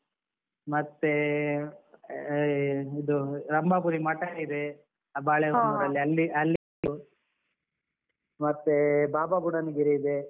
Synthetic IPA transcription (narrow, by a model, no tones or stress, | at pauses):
mɐt̪ːe | id̪uɾɐmbaːpuɾimaːʈaːɽid̪e | abaːɭeʋnuɾɐlːiɐlːiɐlːi | u | mɐt̪ːebaːbaɡuɽɐniɡiɾeid̪e